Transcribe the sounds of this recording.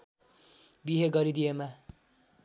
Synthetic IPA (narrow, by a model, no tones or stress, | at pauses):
biɦeɡʌɾid̪ijema